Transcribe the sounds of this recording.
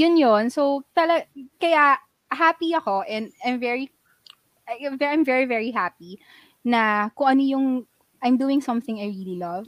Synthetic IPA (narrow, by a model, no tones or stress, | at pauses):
jʊnjonsowt̪ɐlɐɡkɐja | ɦaːpiɐko̞ʔɛ̃nd̪ajmvɛɹi | vʔajmvɛɹivɛɹiɦapi | nɐkʊŋʔɐnojʊŋ | ʔɐjmd̪uːɪ̃ŋsɐ̃mθɪ̃ŋɐjɹililɐv